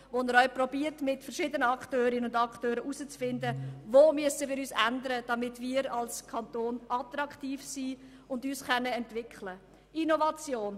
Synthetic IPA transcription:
ʋonəɾœʏprɔbiəɾtmɪtfəɾʃɪːdənəɑktøːɾɪnənʊndɑktøːɾəʔuzət͡sfɪndəvoːmyəstəvɪɾyːsændəɾəd̥ɑmɪtmiːɾɑlskʰɑntoːnʔɑt̪ɾɑktiːfsiː | ʊndyːsχœnːəɛntvɪkʰχlə | inovɑt͡sjoːn

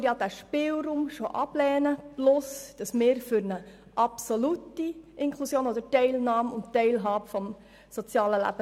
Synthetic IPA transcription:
ɾjɑːd̥̪æːʃpɪlɾuːmʃoʔɑblɛːnəplʊsd̥ɑsmɪːɾfyɾnə | ʔɑpsolutiʔɪŋkʰlusjoːnod̪əɾtɛɪlnɑːmʊnttɛɪlɦɑːbəfɔm | sot͡sjɑːləlæ̰b̥ə

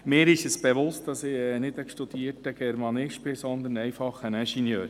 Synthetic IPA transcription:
mɪːɾɪʃəsb̥ɛʋʊst̚dɑsɪnɪd̪əʃtud̥̪iːəɾtəɡ̥ɛɾmɑnɪʃbɪsɔnd̪ənɛjfɑχːənæʃinjøːɾ

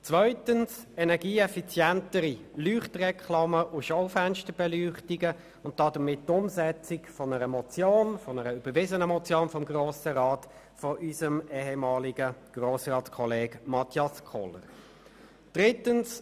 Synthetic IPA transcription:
t͡svœʏtənsɛnɛʁɡiːɛfit͡sjɛntəɾilyːχtrɛkʰlɑməʔʊʃɔʊfænʃtəbɛlyːχtiɡə | ʊnt̚d̥ɑdəmɪttʊmzɛt͡sɪkfɔnəɾəmɔt͡sjoːnfɔnəɾəyb̥əɾvɪzənəmɔt͡sjoːnfɔmɡʁoːsəʁɑːt | fɔʔysəmɛːhɛmɑːliɡ̥əɡ̥ʁoːsrɑːtskʰɔleːɡmɑtʰjɑskʰɔlə̰ʁ | d̥ʁɪtəns

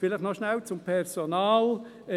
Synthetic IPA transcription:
fɪlɪχnɔʃnælt͡sʊmpʰɛrsonaːl

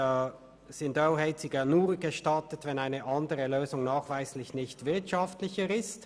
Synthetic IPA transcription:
sɪndoʊhɛɪtsiɡanuːɐɡ̥əʃtɑtətvɛnaɪnəʔɑndəʁəløːzʊŋnaːχv̥aɪslɪçnɪçtv̥ɪɐtʃɑftlɪçəʁɪst

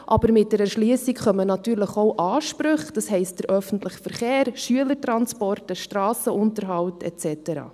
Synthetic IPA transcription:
ʔɑb̥əɾmɪt̚d̥ɛɾəʃlyəsikχœmənɑtyːɾləχoʊʔɑːʃpɾɵχd̥ɑshɛɪst̚d̥əɾʔœfən̩tlɪχfəɾχeːɾʃyələɾtɾɑnspɔrtəʃtɾɑːsəʊntəɾɦɑlwtɛ̰t͡sɛtəɾɑ̰ː

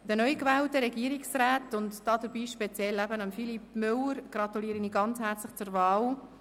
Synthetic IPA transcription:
d̪̥ənœʏkvæːltəɾɛɡiəɾiksræːtʊntdɑːdəɾbiːʃpɛt͡sjɛlæbənɑmfilipmʏləɾɡ̥ɾɑtuliːɾəniːɡɑnt͡shɛɾt͡slɪχt͡sʊɾvɑːl

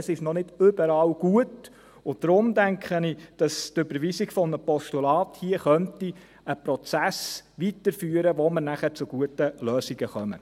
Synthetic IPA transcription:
əsɪʃnɔnɪdʏbəɾɑːlɡ̥uət | ʊd̥ɾʊmdæŋkχənɪd̥ɑstʏbəɾʋisiɡ̥fɔnəpɔʃtulɑːthiəχœnti | əprɔt͡sæsʋitəɾfyːəɾəʋoməɾnæχət͡sʊɡ̥uətəløːsiɡəχœmə̰

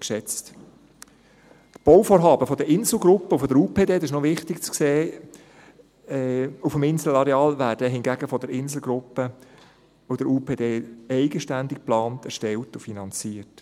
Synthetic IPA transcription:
kʃɛt͡st | t̪b̥ɔʊfoːɾɦɑːbəfɔd̪əɾʔɪnzl̩ɡɾʊpːəʊfɔdəɾuːpʰeːdeːdɪʃnɔʋɪχt̪ɪkt͡skseː | ufəmɪnsl̩ɑɾɛɑːlʋæːɾdəɦɪnɡæːɡəfɔd̪əɾɪnsl̩ɡɾʊpːə | ʊd̥əɾuːpʰeːd̪eːɛɪɡəʃtændɪk̚plɑːntɛrʃtɛltʊfinɑnt͡siːət

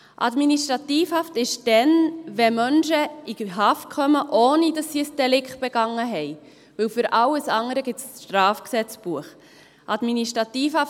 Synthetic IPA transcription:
ʔɑ̰dminiʃtɾɑt̪iːfhɑftɪʃd̥ɛnʋɛmœnʃəiɦɑfkʰœməʔoːnidɑsːiəsd̥ɛlɪkχt̚b̥ɛɡ̥ɑŋːəɦɛj | ʋɵwfʏɾʔɑlːəsɑŋəɾəɡɪtt͡sʃtɾɑːfksɛt͡sb̥uəχ | ʔɑd̥miniʃtɾɑt̪iːfhɑ

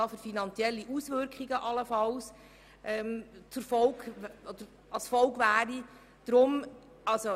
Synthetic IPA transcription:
ɑːfyɾfinɑnt͡siɛlːiʔusʋʏɾkχiɡəʔɑləfɑls | ʔɛmt͡sʊɾfɔʊɡɔd̪̥əɾ | ɑlsfɔlɡʋæːɾi | d̪̥ɾʊm | ɑlso

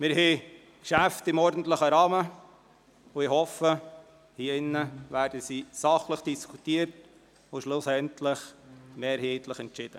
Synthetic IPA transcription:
mɪɾɦɛː | kʃæft̪ɪmɔːɾdn̩tləχəɾɑːmə | ʊɪhɔfə | hiːɪnːəʋæːɾdəsisɑχləχd̥iskʰutiəɾt | ʊʃlʊsɛntʰləχmɛɾheːt̪ləχɛntt͡ʃɪd̥ə

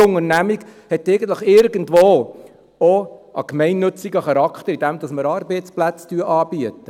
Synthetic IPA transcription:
ʊŋəɾnæmiɡhɛtːɛɪɡən̩tləχɪɾɡəndʋoː | ɔʔɑ̰kmɛɪnːɵt͡siɡəχɑɾɑkχt̪əɾid̥ɛmd̥̪ɑsməɾɑɾbɛɪtsplæt͡styːʔɑːb̥iətːə

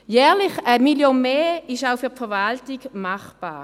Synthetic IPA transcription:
jɛːʁlɪχəmiljonmeːɪʃaʊfyɐfɛvaltɪɡmaχb̥a̰ː

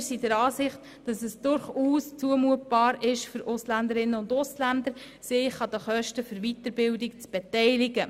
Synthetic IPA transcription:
sidəɾɑːsɪχt | d̥ɑsɛsd̥ʊɾχuːst͡suəmuət̚b̥ɑːɾɪʃføɾʊslænd̪əɾɪnːəʊndʊslænd̪əɾ | sɪχɑd̪əχœʃtəfɵɾʋitəɾbɪldɪkt͡sb̥etɛɪlɪɡə

